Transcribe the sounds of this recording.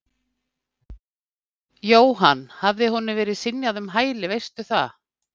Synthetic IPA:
joːwɦanːhavðɪhɔnːɪvɛːɾɪðsɪnjaðʏmɦaːjlɪvejst̪ʏθa̰

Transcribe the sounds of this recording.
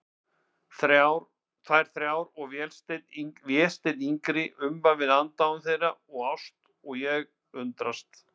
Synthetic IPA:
θɾaɾ | θaɛɾ̥θɾjawɾɔɣvjɛːlst̪et̪vjɛːlst̪ejt̪iŋkɾɪʔʏmpavɪðant̪aʏmθejraɔɣawst̪ | ɔɣjɛɣ | ʏnt̪ɾast̪

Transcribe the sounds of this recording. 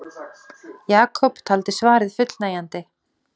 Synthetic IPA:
jaːkʰɔpt̪ʰaːlt̪ɪsvaːɾɪðfʏt̪lnaːjant̪ɪ

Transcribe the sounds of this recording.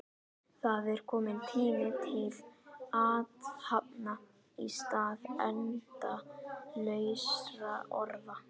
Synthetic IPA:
θaðɛɾ̥kʰɔːmɪnt̪ʰiːmɪt̪ʰɪlaːt̪hap̚na | ḭst̪aːðɛnt̪alœːɥsɾaʔɔɾða

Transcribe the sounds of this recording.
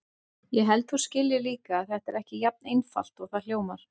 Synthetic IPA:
jɛɦɛlt̪hu̥scɪljɪliːkaːðθɛht̪ɛɾɛhcɪjap̚nejnfa̰l̥t̪ɔɣθal̥joːwmaɾ̥

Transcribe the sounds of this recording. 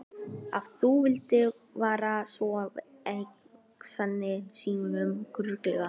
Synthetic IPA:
a̰vθuvɪlt̪ɪ | vaːɾasvɔað | ej | sanːɪsiːnʏmkɾʏklɛɣa

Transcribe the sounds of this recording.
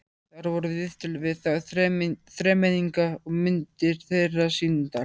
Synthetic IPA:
θaɾvɔɾʏðɪðt̪ʏlvɪθaθɾɛθɾɛːmɛniŋkaɔɣmʏnt̪ɪɾ̥θejrːasint̪a

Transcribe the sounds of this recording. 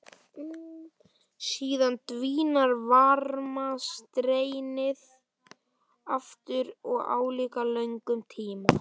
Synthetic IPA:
siːðant̪viːnaɾvaɾmast̪ɾeːjnɪð | aft̪ʏɾɔɣa̰ːwliːkalœɥjŋkʏmt̪ʰiːma

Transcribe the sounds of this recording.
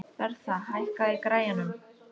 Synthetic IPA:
θɛɾ̥θaɦajhkaðɪkɾaːjanʏm

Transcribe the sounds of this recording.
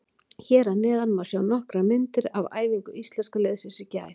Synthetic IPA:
çɛːɾanɛːðanmawsjaːwnɔhkɾamɪnt̪ɪɾava̰ːjviŋkʏist̪lɛnskʏlɛːðsɪsɪca̰ː

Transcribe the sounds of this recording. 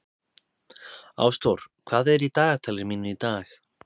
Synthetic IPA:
a̰wst̪owɾ̥kʰv̥aːðɛɾit̪aːɣat̪ʰaːlɪɾmiːnʏit̪aːx

